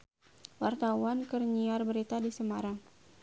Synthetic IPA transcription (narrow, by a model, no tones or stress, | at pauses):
wart̪awankərɲiarbəɾit̪adisəmaɾaŋ